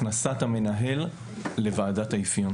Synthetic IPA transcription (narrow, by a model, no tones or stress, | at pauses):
nasatame̞naɦe̞lː | e̞vaːdataifjon